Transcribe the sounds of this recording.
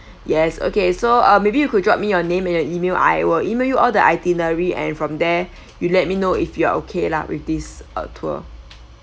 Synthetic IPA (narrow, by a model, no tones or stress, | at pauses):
jɛso̰kesoʌmebijukud̚ɹɔp̚mijɔnẽmɛ̃njɔʔimelʔa̰ɪwəlimeljuʔɔldəʔaɪtinəɹiɛ̰̃nfɹɔ̃mdɛ | julɛt̚minoifjua̰ʔokʰela̰wʔḭfdisə̰tʰuə̰